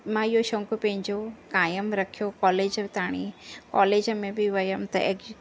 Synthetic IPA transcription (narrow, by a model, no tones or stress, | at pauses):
mãːijoʃõŋkopẽɲd͡ʒokaːjəmɾɐkʰijokɔːleːd͡ʒt̪aːɽ̃ikɔ̰ːleːd͡ʒmẽbiʋɐjəmt̪ɐ̰ʔek